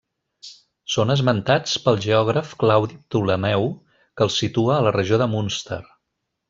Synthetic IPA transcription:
sonəzmənt̪at͡spəlˠʒəɔɣɾəfklawðip̚t̪uləmɛw | kəlˠsit̪uəːlərəʒoðəmunst̪ə̰r

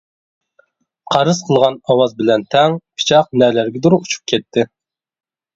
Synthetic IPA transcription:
qʰɑɾɨzqʰəlˠʁɑnɑwɑzbɪlɛnt̪ʰɛŋpʰi̥t͡ʃʰɑq̚nɛlæɾɡʲɛd̪uɾuut͡ʃʰu̥p̚kʲʰɛt̪ʰːɪ

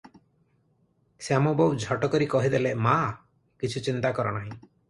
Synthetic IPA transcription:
seamɔbɔwd͡ʒʱɔʈɔkɔɾikɔɦid̪elema | kit͡ʃʰut͡ʃint̪akɔɾɔ̰naɦĩ

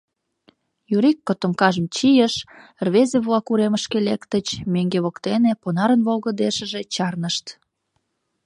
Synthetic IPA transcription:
juɾikːot̪əmkɑʒəmt͡ɕijəʃ | rβezeβlɑkuɾeməʃkelekt̪ət͡ɕmeŋɡeβokt̪eneponɑɾənβolɣəd̪eʃəʒet͡ɕɑrnəʃt̪

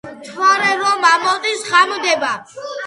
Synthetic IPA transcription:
t̪ʰwaɾɛɾɔmamɔd̪isχamd̪ɛba

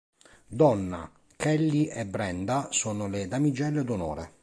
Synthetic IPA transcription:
d̪ɔnːa̰ | kɛlːiʔɛbɾɛnd̪asoːnoled̪amid͡ʒɛlːed̪onɔ̰ːɾe

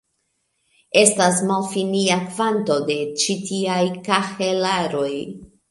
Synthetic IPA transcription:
e̞stas̬malfiniakvanto̞de̞t͡ʃitiajkahelaɾo̞j

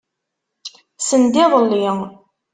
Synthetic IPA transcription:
sənd̪ɪðˤəlːiŋ

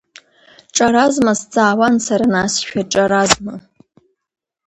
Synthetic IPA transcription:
ʈ͡ʂʼaɾazmasd͡zʼaːwansaɾanaːsʃᶣaʈ͡ʂʼaɾazma

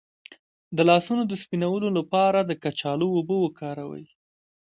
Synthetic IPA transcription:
d̪əlɑsunod̪əspinawəlolapɑɾad̪əkat͡ʃɑloobəwəkɑɾawə̰j

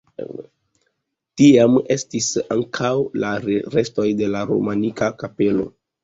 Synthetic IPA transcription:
tiame̞stisa̰ŋkʰawlaɾɾe̞sto̞jde̞laɾo̰manikakape̞lo̞̰

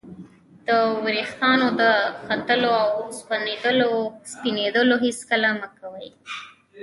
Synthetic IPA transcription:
d̪̥əwɾext̪ɑnod̪əxat̪əloawspaned̪əlospined̪əloɦiskəlaməkawəj

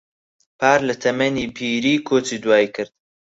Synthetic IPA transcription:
pʰaːɾlɐt̪ʰɐmɐniːbʰiːɾiːkʰoːt͡siːd̪waːikʰɨɾd̪̥

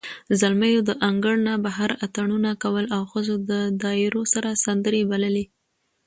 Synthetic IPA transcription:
zalmajod̪əʔaŋɡəɽnabaɦaɾat̪aɳunakawəlawxəzod̪əd̪ɑɪɾosaɾasand̪əɾebaləle

